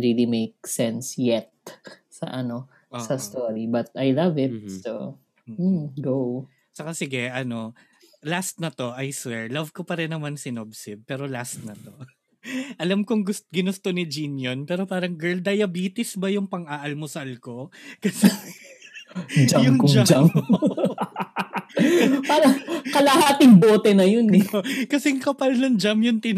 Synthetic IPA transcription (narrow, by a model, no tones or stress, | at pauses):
ɹilimejk̚sɛnsjɛt̪̚ | sɐ̰ʔɐno | ʔosɐst̪oɹibɐt̪̚ajlɐvɪt̪̚so | m̩ɡow | sɐkasɪɡɛʔɐno̞ | last̪̚nɐt̪o̞ʔɐjsɛɹlɐvkopɐɾɪnːɐmansɪnob̚sɪd̪̚pɛːɾo̞last̪̚nɐt̪o̞ | ʔɐlamkoŋɡʊstɡɪnʊst̪onɪd͡ʒinjonpɛːɾopaːɾɐŋɡɛɹld̪ɐjɐbiːt̪ɪsbɐjʊŋpɐŋʔaːʔɐlmosɐɐlko̞kɐsɛ | d͡ʒajʊŋkd͡ʒad͡ʒam | paːɾɐkɐlɐhaːt̪ɪŋboːt̪ɛnɐjonɛkɐsɛŋkɐpɐlnɐŋd͡ʒamjʊnt̪ɪn